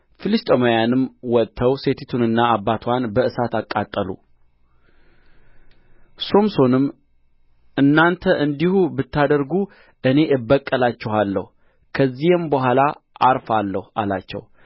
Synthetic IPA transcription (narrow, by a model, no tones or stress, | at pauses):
fɨlist̪ʼomajanɨmːwɔt̪ʰːəwse̞t̪ʰit̪ʰunɨnːaabːat̪ʰwanbəʔɨsat̪akʼːat̪ʼːəlṵ | so̞mso̞nɨm | ʔɨnːant̪ʰəʔɨnd̪ihubɨt̪ʰːad̪əɾɡu | ʔɨne̞ʔɨbːəkʼːəlat͡ʃːɛhalːə̰hu | kʰəzːihɨmbəɦʷalaʔaɾfalːəhua̰la̰t͡ʃːɛ̰w